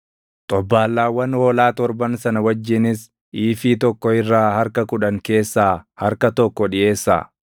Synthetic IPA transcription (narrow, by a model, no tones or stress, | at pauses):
t̪ʼɔbːaːlːaːwːɐnhoːlaːt̪ɔɾbɐnsɐnɐwɐd͡ʒːɪnɪs | ʔiːfiːt̪ɔkːɔɪrːaːhɐɾkɐkʊᶑɐŋke̞ːsːaːhɐɾkɐt̪ɔkːɔᶑɪʔe̞ːsːa̰ː